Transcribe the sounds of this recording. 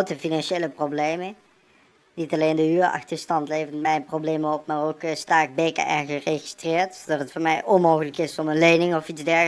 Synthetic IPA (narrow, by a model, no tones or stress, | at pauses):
wtəfinɑnʃejləproblejmən | nitɑlejndəyːɹɑ̰xtəɹstɑntlejvənmɛjnprowblejməɔpmaːrokstaːɪk̚bejkə̰ʔɛnɣəreɣistrɪːɹtsodɑtətfʊːɹmɛjʔɔnmowɣələkɪsɔmənlejnɪŋɔfidzdɛɹ